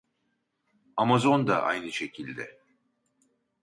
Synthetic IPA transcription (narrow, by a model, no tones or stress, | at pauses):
amazo̞nd̪a̰ʔa̰jnɯʃe̞cʰilʲd̪ɛ